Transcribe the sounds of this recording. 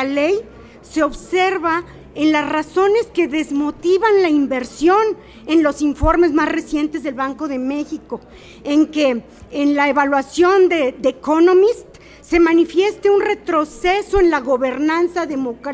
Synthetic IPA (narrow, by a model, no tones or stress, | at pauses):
alej | se̞o̞βse̞ɾβa | enlasraso̞ne̞ske̞ðe̞zmo̞t̪iβanlaimbe̞ɾsjo̞n | e̞nlo̞siɱfo̞ɾme̞zmasre̞sje̞nt̪e̞zðe̞lβaŋko̞ðe̞me̞xiko̞ | eŋke̞ː | nlaeβalwasjo̞nd̪ed̪ekono̞mist̪ː | e̞manifje̞st̪eunre̞t̪ɾo̞seso̞e̞nlaɣo̞βe̞ɾnansaðe̞mokɾ